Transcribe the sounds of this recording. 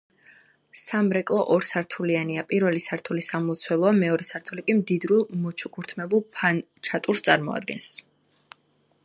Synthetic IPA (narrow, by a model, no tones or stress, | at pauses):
samɾɛkʼlˠɔʔɔɾsaɾt̪ʰulianiapʼiɾvɛlisaɾt̪ʰulisamɔt̪sʰwɛlˠɔamɛɔɾɛsaɾt̪ʰulikʼimd̪id̪ɾulˠmɔt͡ʃʰukʰuɾt̪ʰmɛbulˠpʰan | t͡ʃʰat̪ʼuɾst̪ʼaɾmɔ̰a̰d̪ɡɛ̰ns